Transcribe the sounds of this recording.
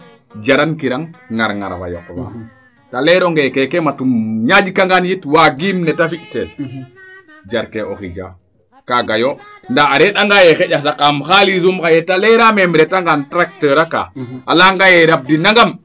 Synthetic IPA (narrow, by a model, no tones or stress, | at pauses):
d͡ʒaɾankiɾaŋŋaɾŋa̰ɾwa̰jɔ̰kwa̰ | talɛɾoŋɡekɛkɛmatumɲad͡ʒikaŋɡanjitwaɡimnɛtafiʔtɛl | d͡ʒaɾkeoxḭd͡ʒa̰ | kaɡajondaːɾɛɗaŋɡajɛxeɟas̬akamxalizumxajɛtalɛɾamemɾɛtaŋɡantɾak̚təɾaka̰ːalaŋɡajɛɾab̚dinaŋɡam